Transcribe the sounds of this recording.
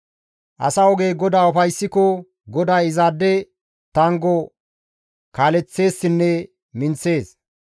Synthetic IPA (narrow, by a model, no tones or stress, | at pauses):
ʔɐ̰sɐɔɡe̞ːɡɔd̪aːʊfɐjsːɪkɔ | ɡɔd̪aːɪzaːd̪ːɛ | t̪ɐŋɡɔ | kaːlɛt͡sːe̞ːsːɪnːɛ | mɪnt͡sːe̞ːs